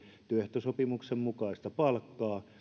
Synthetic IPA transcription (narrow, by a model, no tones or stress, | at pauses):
t̪yøht̪øsopimuksemmukɑˑist̪ɑpɑlkːɑː